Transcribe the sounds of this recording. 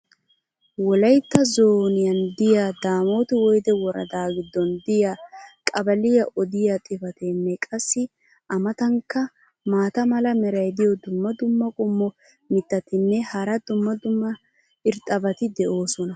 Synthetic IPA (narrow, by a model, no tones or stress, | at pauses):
wɔlɐjt̪ːɐzoːnɪjɐnd̪ɪjaːd̪aːmo̞ːt̪ɪwɔjd̪ɛwɔɾɐ̰d̪aːɡɪd̪ːɔnd̪ɪjakʼɐbɐlɪjɐʔɔd̪ɪjat̪ʼɪfɐt̪ɛnːɛkʼɐsːɪ | ʔɐmɐt̪ɐŋkːɐ | maːt̪ɐmɐlɐmɛɾɐjd̪ɪjɔd̪ʊmːɐd̪ʊmːɐkʼʊmːɔ | mɪt̪ːɐt̪ɪnːɛhɐɾɐd̪ʊmːɐd̪ʊmːɐ | ɪɾt̪ʼɐbɐt̪ɪd̪ɛʔo̞ːsɔnɐ